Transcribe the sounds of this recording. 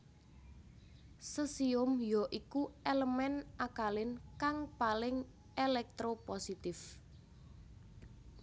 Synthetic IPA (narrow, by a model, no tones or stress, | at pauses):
səsiʊmjɔʔikuʔeləmɛnʔakalɪnkaŋpalɪŋ | elɛk̚t̪ɾoposit̪ɪf